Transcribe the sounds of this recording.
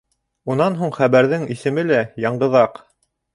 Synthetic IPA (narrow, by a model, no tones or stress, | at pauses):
unɑnɦuɴχæβæɾðɘŋisɘ̆mɘlæjɑɴɢɤ̆ðɑq